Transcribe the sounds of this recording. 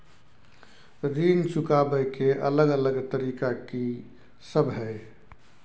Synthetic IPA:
ɾint͡ʃukabəjkeʔə̰ləɡələɡt̪əɾikaki | səbʱɦɛj

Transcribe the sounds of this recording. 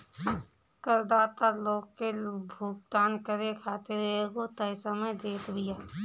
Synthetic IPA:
kəɾd̪aːt̪aloːɡkebʱuːk̚t̪aːnkəɾekʰaːt̪eɾəeɡot̪əɪsəmed̪eːt̪bʱɪjaː

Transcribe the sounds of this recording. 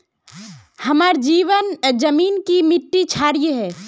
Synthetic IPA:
hɐmaːɾd͡ʒiːʋənd͡ʒəmiːnkimɪʈːit͡ʃʰaːɾijɦɛː

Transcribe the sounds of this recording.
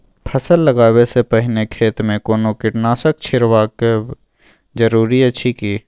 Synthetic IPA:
pʰəsəlːəɡaːwesepəɦɪnekʰeːt̪mẽkoːnokɪʈnaːsək̚t͡ʃʰɪɾwaːke | d͡ʒəɾuːɾiɐt͡ʃʰikiː

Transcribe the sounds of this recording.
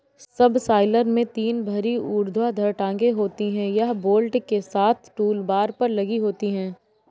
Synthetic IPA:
sɐbsaːɪləɾmẽt̪iːnbʱɐɾiuːɾd̪ʱwad̪ʱɐɾʈãːŋɡeɦoːt̪iɦɛ̃jaɦboːlʈkesaːt̪ʰʈuːlbaːɾpɐɾlɐɡiɦoːt̪iɦɛ̃ː

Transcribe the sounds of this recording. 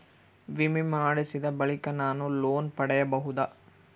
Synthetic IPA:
ʋimimaːɽisid̪ɐbɐɭikɐnaːnuloːnpɐɽɛjɐbɐɦud̪ɐ

